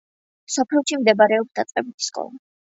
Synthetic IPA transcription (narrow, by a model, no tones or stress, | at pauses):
sɔpʰlilˠʃimd̪ɛbaɾɛɔpsd̪at̪sʼqʼɛbit̪ʰi̥skʼɔ̰lˠa